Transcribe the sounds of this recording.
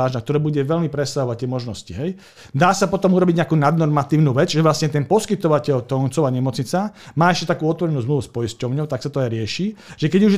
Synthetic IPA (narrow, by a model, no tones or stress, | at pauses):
aːʒnak̚t̪ɔɾɛːbuɟɛʋɛʎmipɾɛsaɦɔʋac̚t̪ːjɛmɔʒnɔsciɦɛj | d̪aːsapɔt̪ɔmuɾɔbiɟɲɛakuːnad̪nɔɾmat̪iːʊnuːʋɛd͡zʒɛʋlasɲɛt̪ɛnpɔskit̪ɔʋacɛʎt̪ɔnt͡sɔʋaːɲɛmɔt͡sɲit͡samaːɛʃcɛt̪akuːɔt̪ʋɔɾɛnuːzmluʋuspɔiscɔʊɲɔʊt̪aksat̪ɔajɾɪɛʃiːʒ̥ɛkɛɟuʒ